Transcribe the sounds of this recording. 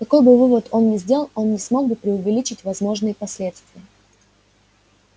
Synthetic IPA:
kɐko̞jbɨvɨvət̪o̞nnʲɪzʲdʲe̞lˠəlˠo̞nnʲɪsmo̞ɡ̚bɨpɾʲɪʊvʲɪlʲit͡ɕɪtʲvɐzmo̞ʐnɨjəpɐsʲlʲe̞t̪st̪vʲɪjə

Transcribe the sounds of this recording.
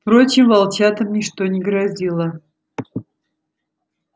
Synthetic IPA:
fpɾo̞t͡ɕɪmvɐlˠt͡ɕat̪əmnʲɪʂt̪onʲɪɡɾɐzʲilˠə

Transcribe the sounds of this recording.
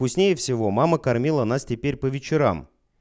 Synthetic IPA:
pʊsʲnʲejəfsʲɪvo̞maməkɐrmʲilˠənastʲɪpʲeɾʲpəvʲɪt͡ɕɪɾa̰m

